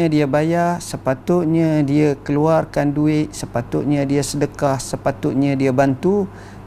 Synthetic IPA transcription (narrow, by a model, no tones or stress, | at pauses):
ədiəbajasəpat̪ʊt̪̚ɲãdiəkəluarkanduɪt̪̚səpat̪ʊt̪̚ɲə̃diəsədəkahsəpat̪ʊt̪̚ɲãdiəbant̪u